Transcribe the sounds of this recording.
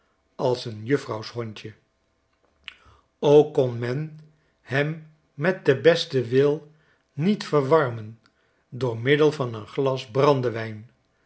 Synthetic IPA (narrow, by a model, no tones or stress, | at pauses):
ɑlˠsənjɵfrɑwsɦɔɲcə | owkːɔnmɛn | hɛmː | ɛt̚dəbɛstəʋɪlˠ | nitfəɹʋɑɹmən | dʊːɹmɪdəlˠvɑnənχlɑsbrɑndəʋɛjn